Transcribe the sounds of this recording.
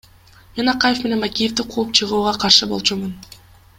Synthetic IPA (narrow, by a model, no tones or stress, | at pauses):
me̞nɑqɑje̞fmene̞nbakʲijefd̪iqʰuːup̚t͡ʃʰɯʁuːʁɑqʰɑɾʃɯbo̞lˠt͡ʃumɯn